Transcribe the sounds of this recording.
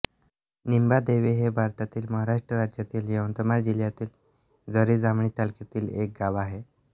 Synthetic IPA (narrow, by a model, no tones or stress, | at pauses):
nimbad̪eʋeɦebʱaɾt̪at̪iːlməɦaɾaʂʈɾəɾad͡ʑjat̪iːljəwənt̪əmaɾd͡ʑiljat̪iːl | d͡zəɾiːd͡zamɳiːt̪alket̪iːlek̚ɡaʋaɦe